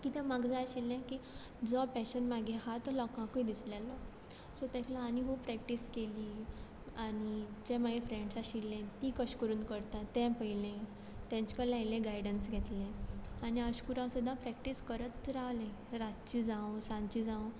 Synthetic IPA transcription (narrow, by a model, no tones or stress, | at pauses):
kit̪ʰɛ̃maɡd͡zajɕilːɛ̃kiː | d͡zɔpɛɕənmaɡʱeɦat̪əlɔkãkəid̪islalɔ | sɔt̪ɛ̃k̪ʰlaːniɦupɾɛk̚ʈiskeliː | anid͡ʑɛ̃maɡefɾẽɳɖsaɕilːẽt̪ikəɕkəɾuːnkəɾt̪at̪ːɛ̃pəjlẽ | t̪ɛ̃ɲt͡ɕkəlajlɛ̃ɡajɖənsɡʱɛt̪lẽaniəɕkuɾãsud̪ʱãpɾɛk̚ʈiskəɾətɾaʋlẽɾat̪t͡ɕiːd͡zãwsãɲt͡ɕid͡zãw̃